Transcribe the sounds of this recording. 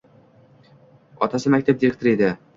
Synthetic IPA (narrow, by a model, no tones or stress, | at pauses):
ɒ̰t̪asɪmak̚ʲt̪ʰap̚d̪ʲiɾek̚t̪oɾed̪ɪ